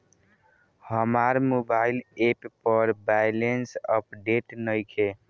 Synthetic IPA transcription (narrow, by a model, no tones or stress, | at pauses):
həmaɾmobailepːəɾbajlensəp̚ɖeʈnəjkʰe